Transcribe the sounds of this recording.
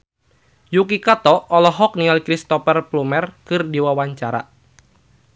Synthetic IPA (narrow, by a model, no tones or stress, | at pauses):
jukikat̪ɔɔlɔɦɔk̚nialkɾist̪ɔfɛrplumɛrkɨrdiwawaɲt͡ʃaɾa̰